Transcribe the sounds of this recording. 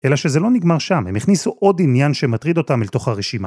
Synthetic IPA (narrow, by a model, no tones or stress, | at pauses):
ʔe̞laʃe̞zelo̞niɡmaʁʃamhemeχnisuʔodinjanʃemat̪ʁid̪o̞t̪amelt̪o̞χhaʁeʃima